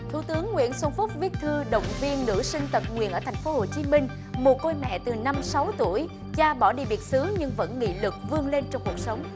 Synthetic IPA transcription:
t̪ʰu˧˩t̪ɨ˨˦əŋːwḭ˧˨ənsə˧nfʊ˦˥k͡p̚vi˦˥ət̚t̪ʰɨ˧ɗə̰˧˨wŋ͡mvi˧ənːɨ̰˧˥sï˧ŋ̟t̪ə˨˩t̚ŋwḭ˧˨ənʔəː˧˩t̪ʰjŋ̟fo˨˦ho˨˩t͡ɕi˨˦mï˧ŋ̟ | mo˨˩t̚ko˧jmɛ̰˧˨t̪ɨ˨˩na˧msa˨˦wt̪u˧˩əj | zaː˧ɓɔ˧˩ɗḭ˧˨˩ɓi˨˩ət̚sɨ˨˦ɲɨ˧ŋvə̰˧˥nŋḭ˧˥lɨ˨˩k̚vɨ˧əŋle˧nt͡ɕɔ˧wŋ͡mku˨˩ək̚sə˨˦wŋ͡m

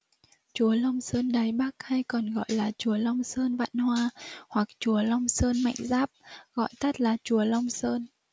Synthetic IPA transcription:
t͡ɕu˨˩˦əla˧wŋ͡msəː˧nɗaː˨˩jɓa˦˥k̚ha˧jkɔ˨˩nɣɔ̰˧˨jlaː˨˩t͡ɕu˨˦əla˧wŋ͡msəː˧nva̰ː˧˨nhwaː˧hwa˨˩k̚t͡ɕu˨˩˦əla˧wŋ͡msəː˧nma̰˧˨jŋ̟zaː˦˥p̚ɣɔ̰˧˨jt̪ə˦˥t̚laː˨˩t͡ɕu˨˩˦əla˧wŋ͡msəː˧n

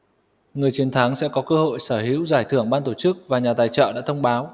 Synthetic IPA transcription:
ŋɨ˨˩əjt͡ɕi˨ənt̪ʰaː˨˦ŋsɛ̰˧˥kɔ˨˦kəː˧ho̰˧˨jsəː˧˩ɦḭ˧˥əwzaː˧˩jt̪ʰɨ˧˩əŋɓaː˧nt̪o˧˩t͡ɕɨ˦˥k̚vaː˨˩ɲaː˨˩t̪aː˨˩jt͡ɕɔ̰ː˧˨ɗa̰ː˧˥t̪ʰə˧wŋ͡mɓaː˨˦w

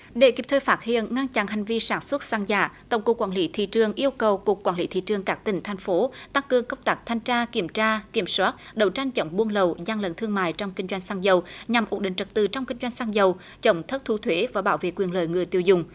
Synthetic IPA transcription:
ɗe˧˩ki˨˩p̚t̪ʰəː˧˨jfaː˦˥t̚hḭ˧˨ənŋa˧nt͡ɕa̰˧˥nɦa˨˩jŋ̟vi˧saː˧˩nswə˦˥t̚saː˧ŋza̰ː˧˩˨t̪ə̰˧˩wŋ͡mku˨˩kːwaː˧˩nli˨˦t̪ʰḭ˧˨t͡ɕɨ˨˩əŋʔi˧əwkə˨˩wku˨˩kːwaː˧˩nli˨˦t̪ʰḭ˧˨t͡ɕɨ˨˩əŋkaː˦˥k̚t̪ï˧˩ŋ̟t̪ʰa˨˩jŋ̟fo˨˦t̪a˧ŋkɨ˨˩əŋkə˧wŋ͡mt̪aː˦˥k̚t̪ʰa˧jŋt͡ɕaː˧ki˧˩əmt͡ɕaː˧ki˧˩əmswaː˦˥t̚ɗə˨˩wt͡ɕa˧jŋ̟t͡ɕə˨˦wŋ͡mɓu˧ənlə˨˩wzaː˧ŋlə̰˨nt̪ʰɨ˧əŋma̰ː˧˨jt͡ɕɔ˧wŋ͡mkï˧ŋ̟zwa˧jŋ̟saː˧ŋzə˨˩wɲa˨˩mʔu˨˦˥n̚ɗḭ̈˧˨ŋ̟t͡ɕə˨˩t̚t̪ɨ˨˩t͡ɕɔ˧wŋ͡mki˧ŋ̟zwa˧jŋ̟saː˧ŋzə˨˩w | t͡ɕə˧˦wŋ͡mt̪ʰə˦˥t̚t̪ʰu˨˦t̪ʰwe˨˦vaː˨˩ɓaː˧˦wvḛ˧˨kwi˨˩ənlə̰ː˧˨jŋɨ˨˩əjt̪i˧˨əwzʊ˨˩ŋ͡m

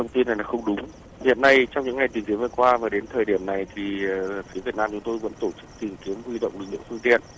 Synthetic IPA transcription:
ə˧˨˩ŋ͡mt̪i˧na˨˩jlaː˨˩xə˧wŋ͡mɗʊ˨˦ŋ͡m | hḭ˧˨ənːa˧jt͡ɕɔ˧wŋ͡mɲɨ̰˧˥ŋa˨˩jt̪i˨˩ŋki˨˦əmvəː˨˩kwaː˧vaː˨˩ɗe˨˦nt̪ʰəː˨˩jɗi˧˩əmna˨˩jt̪ʰi˨˩˨fi˨˦vi˨˩ət̚naː˧mt͡ɕʊ˨˦ŋ͡mt̪o˧jvə̰˧˥nt̪o˧˩t͡ɕɨ˦˥k̚t̪i˨˩ŋki˨˦əmhwi˧ɗə̰˧˨wŋ͡mlɨ˨˩lɨ̰˧˨fɨ˧əŋt̪ḭ˧˨ənʔ

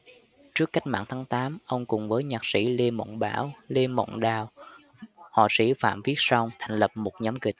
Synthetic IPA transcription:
t͡ɕɨ˦˥əkːa˦˥jk̟̚ma̰ː˧˨ŋt̪ʰaː˨˦ŋt̪aː˨˦mʔə˧wŋ͡mkʊ˨˩ŋ͡mvəː˨˦jɲaː˨˩k̚sḭ˧˥le˧mo̰˧˨ŋ͡mɓa̰ː˧˩wle˧mo̰˧˨wŋ͡mɗaː˨˩w | hɔ̰˧˨˩sḭ˧˥fa̰ː˧˨mvi˦˥ət̚sə˧wŋ͡mt̪ʰa˨˩jŋ̟lə˨˩p̚mo˨˩t̚ɲa˨˦mkï˨˩k̟̚

